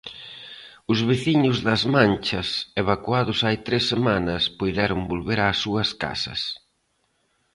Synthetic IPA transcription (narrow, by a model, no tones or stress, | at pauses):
ʊzβeθiɲʊzðɐzmãnt͡ʃɐseβakwaðʊsajt̪ɾesːemanɐspojðɛɾʊŋbolβeɾaːsuɐska̰sɐ̰s